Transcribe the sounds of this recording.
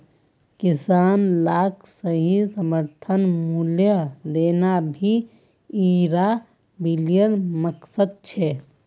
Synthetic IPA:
kɪsaːnlaːkʰsəɦisəməɾt̪ʰənmuljəd̪eːnabʱi | iɾa | bilijənməksəd̪̚t͡ʃʰɛ

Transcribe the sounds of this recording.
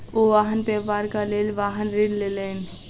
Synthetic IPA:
oʋaːɦənpeːʋaːɾkaleːlʋaːɦənɾɪnleːleːn

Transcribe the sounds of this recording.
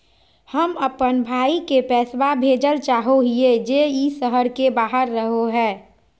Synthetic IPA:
həməpənbʱaːikepɛːswabʱeːd͡ʒəlt͡ʃaːɦoɦied͡ʒeisəɦəɾkebaːɦəɾːəɦoɦɛː

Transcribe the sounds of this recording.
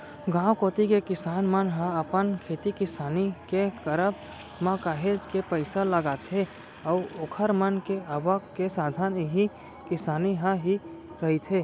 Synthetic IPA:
ɡãːwkoːt̪ikekɪsaːnmənɦə̃əpənkʰeːt̪ikɪsaːnikekəɾəb | makaːɦeːd͡ʒkepəɪsaləɡaːt̪ʰe | ɔːoːkʰəɾmənkeəːʋəkkesaːd̪ʱaːnɦi | kɪsaːniɦãɦi | ɾəɦit̪ʰeː

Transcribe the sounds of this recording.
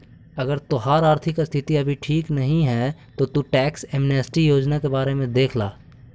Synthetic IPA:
ɐɡəɾt̪oɦaːɾaːɾt̪ʰɪkst̪ʰɪt̪iɐbʱiʈʰiːknɐɦĩɦɛt̪ot̪uʈɛːkseːmnɛːsʈijoːd͡ʒnakebaːɾemẽd̪eːkʰla̰ː

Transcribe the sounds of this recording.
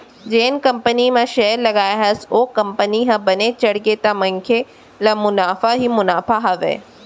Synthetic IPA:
d͡ʑeːnkɐ̃mpənimãʃɛːɾlɐɡaːjɦɐsoːkɐ̃mpəniɦãbɐnet͡ʃɐɽket̪amɐ̃ŋkʰe | lamʊnaːfaɦimʊnaːfaɦɐʋḛː

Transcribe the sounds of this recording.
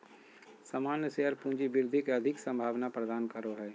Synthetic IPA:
səmaːnjəseɦəɾpũːɲd͡ʒiʋɪɾd̪ʱikeɐd̪ʱɪksə̃mbʱaːʋnapɾəd̪aːnkəɾoɦɛː

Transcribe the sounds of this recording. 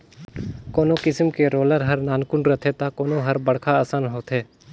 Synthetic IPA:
koːnokɪsəmkeɾoːləɾɦɐɾnaːnkʊnɾət̪ʰet̪akoːnõɦɐɾbɐɽkʰaəːsaːnɦoːt̪ʰɦɛː

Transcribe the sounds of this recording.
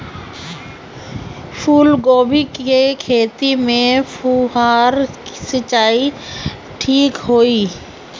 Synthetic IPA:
pʰuːlɡoːbikekʰeːt̪imẽpʰuɦaːɾsət͡ʃaːi | ʈʰiːkɦoːiː

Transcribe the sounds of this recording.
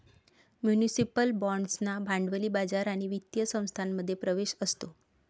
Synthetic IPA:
mjunisipəlbɔ̃ɳɖsnabʱãɳɖʋəliːbad͡zaɾaɽ̃iʋit̪jəsə̃w̃st̪ʰanːəd̪ʱːjepɾəʋeɕəst̪o

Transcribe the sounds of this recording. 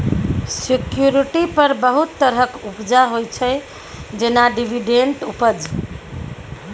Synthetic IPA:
sikjuɾiʈipəɾbəɦut̪ːəɾɦəkupd͡ʒaɦojt͡ʃʰɛ | d͡ʒenaɖibʱiɖeɳʈupəd͡ʒ

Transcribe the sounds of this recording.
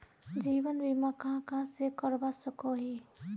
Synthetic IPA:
d͡ʒiːwənbimakãkãsekəɾbasəkoɦi

